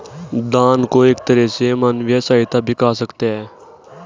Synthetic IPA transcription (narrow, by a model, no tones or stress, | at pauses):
d̪aːnkoːeːkt̪əɾɛsemənʋɪjaːsaːɪt̪abʱɪkaːsəkt̪eɦɛː